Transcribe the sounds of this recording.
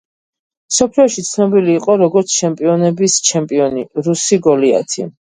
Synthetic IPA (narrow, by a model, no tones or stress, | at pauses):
msɔpʰliɔʃit̪sʰnɔbiliːqʼɔɾɔɡɔɾt̪sʰt͡ʃʰɛmpʼiɔnɛbist͡ʃʰɛmpʼiɔniɾusiɡɔlia̰t̪ʰḭ